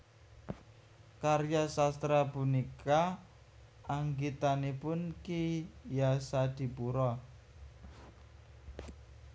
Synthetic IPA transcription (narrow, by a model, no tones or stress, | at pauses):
karjasast̪ɾabunikaː | ŋɡit̪anepʊnkijasad̪̥i̤puɾɔ